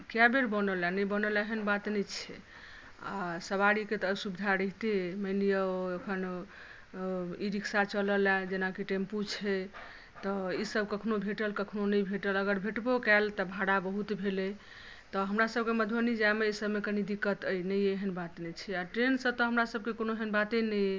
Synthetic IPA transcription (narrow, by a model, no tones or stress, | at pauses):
kjabeɾbənəlanəjbənəlaeɦənbat̪nɛt͡ʃʰɛ̰ | a̰səβaɽiket̪ɔsubid̪ʱaɾəɦt̪emənijəekʰən | iɾiksat͡ʃələlad͡ʒenakiʈemput͡ʃʰɛ | t̪ɔisəbkəkʰnobʱeʈəlkəkʰnonəjbʱeʈələɡəɾbʱeʈbokɛlt̪ɔbʱaɽabəɦut̪bʱele | t̪ɔɦəmɾasəb̚keməd̪ʱənid͡ʒaemeisəbmekənid̪ikːət̪əjnəjeɦənbat̪nɛt͡ʃʰɛaʈɾensə̃t̪ɔɦəmɾasəbkekonoɦənbat̪enəj